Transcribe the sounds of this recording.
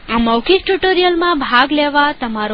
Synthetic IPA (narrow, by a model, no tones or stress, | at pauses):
aməwkʰik̚ʈuʈoɾijəlmãbʱaɡleʋat̪əmaɾo